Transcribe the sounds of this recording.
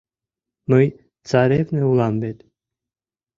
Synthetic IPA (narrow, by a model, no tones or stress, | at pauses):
məj | t͡saɾevnəulambet̪